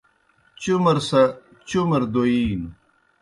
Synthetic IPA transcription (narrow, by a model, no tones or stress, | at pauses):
t͡ɕumɐɾsɐ | t͡ɕumɐɾd̪oin